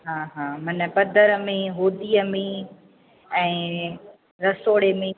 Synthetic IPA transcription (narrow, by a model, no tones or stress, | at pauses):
ɦãːɦãːmɐnə̆pɐd̪ʱəɾə̆mẽɦoːd̪iəmẽ | ɛ̃ː | ɾɐsoːɽemẽ